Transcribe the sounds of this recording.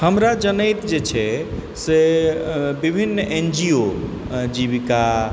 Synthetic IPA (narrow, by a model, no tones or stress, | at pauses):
həmɾad͡ʒənəjt̪d͡ʒet͡ʃʰɛ | se | bibʱinːend͡ʒio | d͡ʒiβika